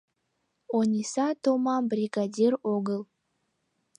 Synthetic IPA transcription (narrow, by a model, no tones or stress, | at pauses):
onʲisat̪omɑmbɾʲiɡadʲiroɡəlˠ